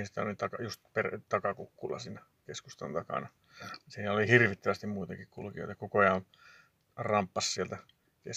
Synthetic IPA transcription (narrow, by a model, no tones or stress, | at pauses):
sit̪æo̰lit̪ɑkɑjust̪pert̪ɑkɑkukːulːɑ̰siːnæ | keskust̪o̰nt̪ɑkɑ̰nɑ | siːnæolihirʋit̪ːøʋæst̪immuit̪ɑkikkulkio̰jt̪ɑkokojɑon | rɑmpːɑssielt̪æ | kes